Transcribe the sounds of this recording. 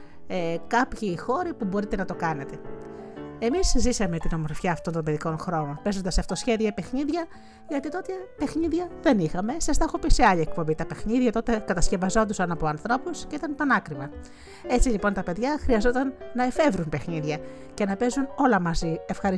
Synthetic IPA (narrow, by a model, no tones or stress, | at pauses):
ekɐpçixo̞ɾipubo̞ɾit̪e̞nɐt̪o̞kɐne̞t̪e̞ | e̞mizzisɐme̞t̪ino̞mo̞ɾfçɐːft̪o̞nt̪obe̞ðiko̞nxɾo̞no̞npe̞zo̞nd̪ɐsɐft̪o̞sçe̞ðiɐpe̞xniðʝɐ | ʝɐt̪it̪ot̪epe̞xniðʝɐðe̞nixɐme̞sɐst̪ɐxopiseɐʎɐek̚po̞mbit̪ɐpe̞xniðʝɐt̪o̞t̪e̞kɐt̪ɐsce̞vɐzo̞nd̪usɐnɐpo̞ɐnθɾo̞pusce̞it̪ɐnpɐnɐkɾivɐ | e̞t͡siʎipo̞nt̪ɐpe̞ðʝɐxɾiɐzo̞t̪ɐnːɐe̞fe̞vɾunpe̞xniðʝɐ | ce̞nɐpe̞zuno̞lɐmɐzie̞fxɐɾi